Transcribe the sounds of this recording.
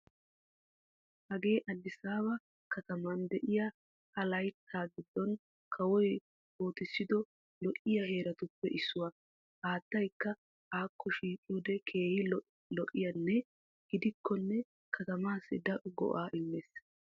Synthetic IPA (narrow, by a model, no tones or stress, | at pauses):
hɐɡe̞ːʔɐd̪ːɪsaːbɐ | kɐt̪ɐmɐnd̪ɛʔɪja | ɐlɐjt̪ʰːaːɡɪd̪ːɔn | kʰɐwɔj | oːt̪ɪsːɪd̪ɔ | lɔʔːɪjahe̞ːɾɐt̪ʊpːɛʔɪsːʊwɐ | haːt̪ːɐjkːɐ | aːkːɔʃiːkʼːɪjod̪ɛkʰe̞ːhɪ | lɔʔːɪjɐnːɛ | ɡ̥ɪd̪ɪkʰːɔnːɛ | kʰɐt̪ɐmaːsɪd̪ɐʔʊɡɔ̰ʔaːʔɪmːeːs